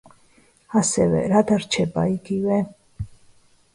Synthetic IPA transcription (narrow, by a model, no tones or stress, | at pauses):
hasɛvɛ̰ɾad̪aɾt͡ʃʰɛpʼa̰iɡiwɛ